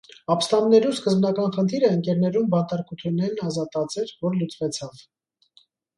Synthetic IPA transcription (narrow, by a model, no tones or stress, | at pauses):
ɑpst̪ɑmnɛɾuskəzbnɑkɑnχənt̪ʰiɾəəŋkɛɾnɛɾumbɑnt̪ɑɾkut̪ʰunɛnɑzɑt̪ɑt͡sɛɾvɔɾlut͡svɛt͡sʰɑv